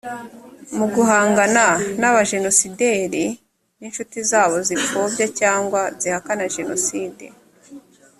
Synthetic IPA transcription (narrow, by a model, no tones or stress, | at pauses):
muɡuɦaːŋɡananaβaʒe̞no̞side̞ɾi | ninʃutizaːβo̞zifobjacaːŋɡwazihakanaʒe̞no̞̰siːdḛ